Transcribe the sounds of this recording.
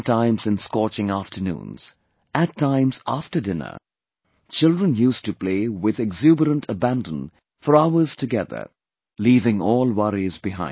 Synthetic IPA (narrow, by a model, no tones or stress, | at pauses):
tʰãɪ̃mzɨ̃nskɔt͡ʃɪ̃ŋæftʰənṵ̃ːnz̥ | ɨtʰːãɪ̃mz̥æftə˞dɪ̃nə̰˞ | t͡ʃɪlˠdɹə̃njustupl̥eːwɪðɛɡzubəɾə̃ntʰəbæ̃ndə̃n | fəɾaʊə˞z̥tʰɨɡɛðə̰˞ | liːvɪ̃ŋɔːlˠwʌɹizbɪɦã̰ɪ̃